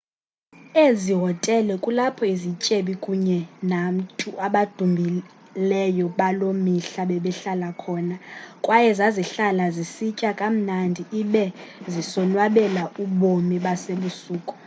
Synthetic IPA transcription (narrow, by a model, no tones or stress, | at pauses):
eziɦɔtʼɛlɛkʼulapʰɔizit͡ʃʼeɓikʼuɲɛnam̩tʰʼuʔaɓad̥ʱumbʱi | lɛjɔɓalomiɬaɓɛɓɛɬalakʰɔːnakʼwajɛzaziɬalazisicʼakʼam̩nandʱiʔiɓɛzisɔnwaɓɛlaʔuɓomiɓaseɓusuːkʼu̥